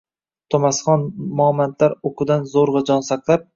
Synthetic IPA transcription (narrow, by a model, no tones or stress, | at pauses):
t̪ʰomasχɒnmɒmant̪laɾokʰʊd̪anzoɾʁɑd͡ʒɒnsaklˠap̚